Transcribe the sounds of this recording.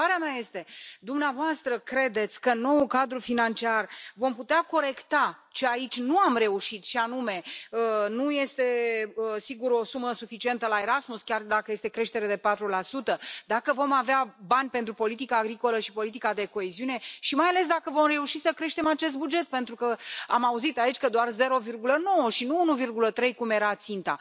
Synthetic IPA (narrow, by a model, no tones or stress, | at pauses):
aɾeameaje̞st̪e̞d̪umneavoast̪ɾəkɾe̞d̪e̞t̪sʲkəno̞ukad̪ɾufinant͡ʃiarvo̞mput̪eako̞ɾe̞kt̪at͡ʃeait͡ʃʲnuamre̞uʃit̪ʃianume̞ənuje̞st̪e̞əsiɡuɾo̞suməsufit͡ʃie̞nt̪əlae̞ɾasmuskʲard̪akəje̞st̪ekɾe̞ʃt̪e̞ɾe̞d̪e̞pat̪ɾulasut̪əd̪akəvo̞maveabanʲpe̞nt̪ɾupo̞lit̪ikaːɡɾiko̞ləʃipo̞lit̪ikad̪e̞ko̞eziune̞ʃimajale̞s̬d̪akəvo̞mre̞uʃisəkɾe̞ʃt̪e̞mat͡ʃe̞s̬t̪̚bud͡ʒe̞t̪̚pe̞nt̪ɾukəamauzit̪ait͡ʃʲkəd̪oarze̞ɾo̞virɡuləno̞wəʃinuunuvirɡulət̪ɾe̞jkumeɾat̪sint̪a̰